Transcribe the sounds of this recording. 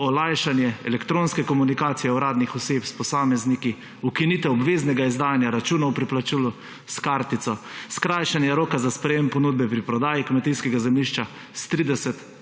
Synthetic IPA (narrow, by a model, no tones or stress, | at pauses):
ɔlajʃanjɛɛlɛkt̪ɾoːnskɛkɔmunikaːt̪sijɛwɾaːd̪nixɔseːpspɔsaːmɛzniki | ukinit̪ɛɔbʋeːznɛɡaizd̪aːjanjaɾat͡ʃuːnawpɾiplat͡ʃilu | skaɾt̪it̪sɔskɾajʃanjɛɾoːkazaspɾɛjempɔnuːd̪̚bɛpɾipɾɔd̪aːjikmɛt̪iskɛɡazɛmliʃt͡ʃa | st̪ɾid̪ɛsɛt̪